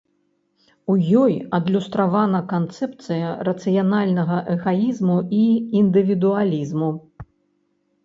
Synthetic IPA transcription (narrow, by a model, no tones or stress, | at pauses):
ujɔjɐd̪lʲust̪ɾavanɐkant̪sɛp̚t̪sɨjɐrɐt̪sɨjanalʲnɐɣɐʔɛɣajizmuiːnd̪ɨvʲid̪ualʲizmu